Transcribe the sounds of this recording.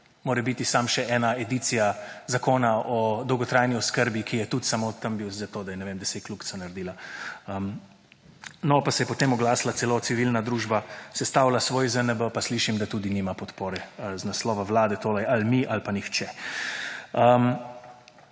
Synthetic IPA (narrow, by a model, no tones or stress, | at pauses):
moːɾɛbit̪isamʃɛɛːnaɛd̪it̪sijazakoːnaɔd̪ɔwɡɔt̪ɾajniɔskəɾbikijɛt̪ut̪samot̪əmbiwzat̪oːd̪ajɛnɛʋemd̪ɛseːt̚klukt̪sanaɾd̪iːlaəm | nɔpasɛjɛpɔt̪emɔɡlaːslat̪sɛlot̪siʋilnad̪ɾuːʒbasɛst̪aːwlasʋoːjzənəbəpasliːʃimd̪at̪ud̪iniːmapɔt̪poːɾɛəznaslɔːʋaʋlaːd̪ɛt̪oːlɛjalmiʔalpanixt͡ʃɛ | əm